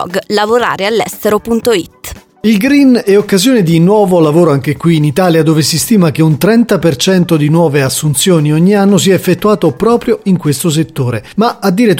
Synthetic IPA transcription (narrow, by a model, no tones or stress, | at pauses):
ɔ̰ɡlavoɾa̰ːɾealːɛ̰st̪eɾopunt̪oḭt̪ː | ilɡɾinɛokːazjoːned̪inwɔːvolavoːɾoaŋk̟ekwiːnit̪aːljad̪oːvesist̪iːmak̟eunt̪ɾɛnt̪apert͡ʃɛnt̪od̪inwɔːveasːunt̪sjoːniɔɲːianːosiɛefːet̪ːuaːt̪opːɾɔːpɾjoiŋkwest̪os̬et̪ːoːɾemaad̪ːiːɾet̪